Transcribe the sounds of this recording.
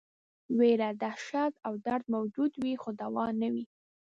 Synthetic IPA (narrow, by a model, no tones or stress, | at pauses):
weɾad̪aʃat̪awd̪aɾd̪̚mawd͡ʒud̪wixod̪awɑnawi